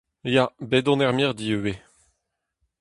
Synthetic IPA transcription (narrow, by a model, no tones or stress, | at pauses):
jabedɔ̃nɛʁmiʁd̪iøwe